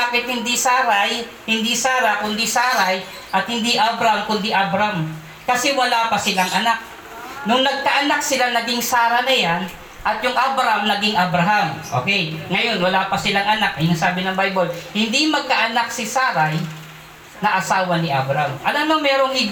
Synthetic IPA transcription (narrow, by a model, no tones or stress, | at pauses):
apɪt̪̚hɪnd̪isaːɾaj | hɪnd̪isaːɾakʊnd̪isaːɾaj | ʔɐt̪̚hɪnd̪iʔabɾɐamkʊnd̪iʔabɾam | kɐsɛwɐlaːpɐsɪlaŋʔɐnak̚ | nʊŋnɐɡ̚kɐʔɐnak̚sɪlanɐɡiŋsaːɾɐnɐjan | ʔɐt̪jʊŋʔabɾamnɐɡɪŋʔɐbɾɐɦamʔo̰ːkɛjŋɐjo̞nwɐlaːpɐsɪlaŋɐnak̚ʔɐnasaːbɪnɐmbajbolhɪnd̪imɐɡ̚kaʔɐnaksɪsaːɾaj | nɐʔɐsaːwɐnɪʔabɾamʔɐnɐnomɛːɾoŋɪ